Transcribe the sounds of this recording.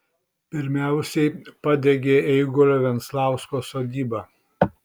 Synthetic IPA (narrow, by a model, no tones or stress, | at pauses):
pʲɪɾʲmʲæˑʊsʲɛɪpɑd̪ʲeɡʲeːɛɪɡɔɾʲoʋʲɛnt̪slˠɑˑʊskoːsoːd̪ʲiːbɑː